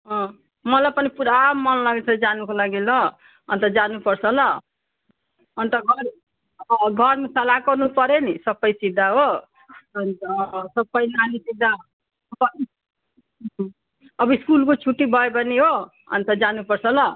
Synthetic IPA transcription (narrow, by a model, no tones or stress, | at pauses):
ɦʌ̃ | mʌlapʌnipuɾamːʌnlaɡet͡sʰʌd͡zanukolaɡilʌ | ʌ̰nt̪ʌd͡zanupʌɾsʰʌlʌ | ʌnt̪ʌɡʱʌɾ | ɡʱʌɾmesʌlakʌrnupʌɾenisʌbʌjsid̪ʱaɦo | ʌnt̪ʌsʌbʌjnanisid̪ʱa | ʌbʌ | ʌbʌiskulkot͡sʰuʈːibʱʌebʌniɦo | ʌ̰nt̪ʌd͡zanupʌɾt͡sʰʌlʌ